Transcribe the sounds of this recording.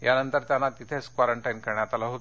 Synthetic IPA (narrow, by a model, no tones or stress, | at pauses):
janənt̪əɾt̪janːat̪it̪ʰeskʋaɾəɳʈajinkəɾɳjat̪alaɦot̪